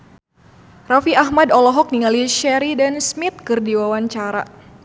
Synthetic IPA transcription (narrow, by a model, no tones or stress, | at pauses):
rafiaɦmadɔlɔɦɔk̚niŋaliʃɛɾidansmit̪̚kɨrdiwawaɲt͡ʃaɾa̰